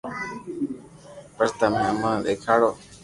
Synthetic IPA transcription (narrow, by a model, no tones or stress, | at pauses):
pəɾt̪amẽmə̃d̪eːkʰaːɽoː